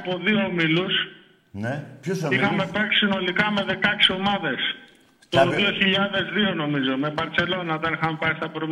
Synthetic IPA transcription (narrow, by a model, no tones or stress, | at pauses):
po̞ðioːmilus | ixɐme̞pɐki̥sino̞likɐme̞ðe̞kɐksio̞mɐðe̞s | t̪oðio̞çiʎɐðe̞zðio̞no̞mizo̞me̞bɐɾt͡se̞lo̞nɐot̪ɐnixɐmepɐist̪ɐpɾom